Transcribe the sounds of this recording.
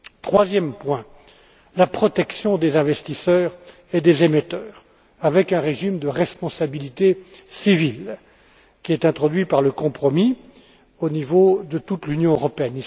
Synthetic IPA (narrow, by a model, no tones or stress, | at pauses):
t̪χwazjɛmpwɛ̃ | lapχɔt̪ɛksjɔ̃d̪ezɛ̃vɛst̪isœːʁ | ed̪ezemet̪œːʁ | avɛkɛ̃ʁeʒimd̪əʁɛspɔ̃sabilit̪esivil | kʲiɛt̪ɛ̃t̪χɔd̪ɥipaʁləkɔ̃pχɔmi | onivod̪ət̪ut̪lynjɔ̃øʁɔpeɛni